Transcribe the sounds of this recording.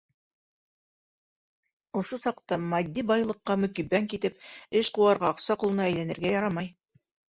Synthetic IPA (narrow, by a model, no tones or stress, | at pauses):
ŏʃosɑqt̪ɑmɑd̪ʲːibɑjlˠɤ̆qːɑmɵ̆kibæŋkit̪ɘp̚ɘʃquwɑɾʁɑːqsɑqŭlˠɤ̆nɑæjlænɘ̆ɾɡæjɑɾɑmɑj